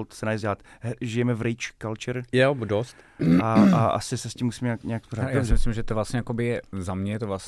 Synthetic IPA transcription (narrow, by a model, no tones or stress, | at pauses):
lt̪sɛnajɛzaːt̪ | ʒɪjɛmɛvɾɪt͡ʃkalt͡ʃɛɾjɛdost̪aaʔa̰sɪsɛscimːusimɲɛakɲɛjaksporaːjaːsɪmɪslimʒɛt̪ovlast̪ɲɛjakobɪjɛzamɲɛt̪ovlas